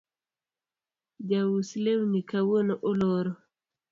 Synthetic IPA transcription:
d͡ʒawuslewnikawonɔʔɔlɔɾɔ

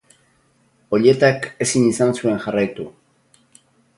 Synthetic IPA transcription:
o̞ʎe̞t̪ake̞sinisansue̞ŋxarajt̪u

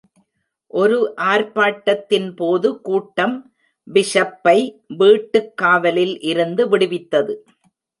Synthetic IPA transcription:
ʔɔɾɯʔaːɾpaːʈːɐt̪ːɪnpoːðɯkuːʈːɐm | bɪʂɐpːɐɪʋiːʈːɯkːaːʋɐlɪlʔɪɾɯnd̪ɯʋɪɽɯʋɪt̪ːɐðɯ

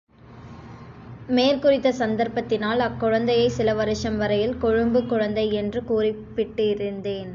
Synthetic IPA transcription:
meːlkʊrɪt̪ːɐsɐnd̪ɐɾpɐt̪ːɪnaːlɐkːʊɻɐnd̪ɐjɐɪsɪlɐʋɐɾɯʂɐmʋɐɾɐjɪlkɔɻɯmbɯkːʊɻɐnd̪ɐɪɛndrɯkuːrɪpːɪʈːɪɾɯnd̪eːn

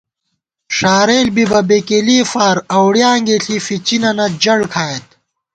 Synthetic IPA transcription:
ʂaːɾeːlbibɐbekeliːfaːɾɐwɽjãːŋɡeɬʰifit͡ɕinɐnɐd͡ʑɐɽkʰaːet̪

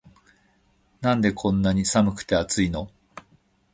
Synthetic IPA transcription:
nãnd̪e̞kʰõ̞nːaɲ̟isamɯ̟kɯ̟̥t̪e̞at͡sɨino

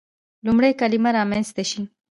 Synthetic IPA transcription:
lumɽejkalimaɾɑmanst̪aʃi

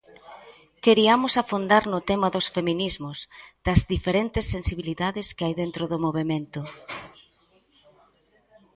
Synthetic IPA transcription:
keɾiamʊsafund̪aɾnʊt̪ɛmɐðosfemĩnizmʊsd̪̥ɐzðifeɾent̪ɪsːensiβiliðaðɪskɪajðent̪ɾʊðʊmoβemẽnt̪ʊ

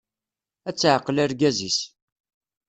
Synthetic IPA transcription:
æt͡sːʕəqːəlæɾɡæzis

